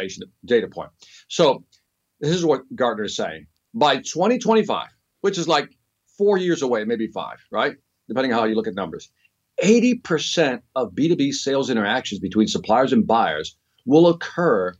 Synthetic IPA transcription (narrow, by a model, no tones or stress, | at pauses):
eɪʃn̩̚d̥eɪɾɨpʰɔ̃ɪ̃nt̚ | soʊ | ðɪsɨzwʌt̚ɡ̥ɑɹdⁿnə˞ɨz̥seɪɪ̰̃ŋ | baɪtʰw̥ɛ̃ɾ̃itʰw̥ɛ̃ɾ̃ifa̰ɪv̥ | wɨt͡ʃɨzlaɪk | fɔɹjɪɹzəweɪmeɪbifa̰ɪv̥ɹa̰ɪt̚ | d̥ɨpʰɛ̃ndɪ̃nɦaʊjɨlʊkɨt̚ⁿnʌ̃mbə̰˞z̥ | eɪɾipʰə˞sɛ̃nt̚ʌvbiɾibiseɪlˠzɪ̃ɾ̃ə˞ækʃɨ̃n̩zbɨtʰw̥ĩnsəpʰl̥aɪə˞zɨ̃nbaɪə̰˞z | wɪlˠəkʰɜ˞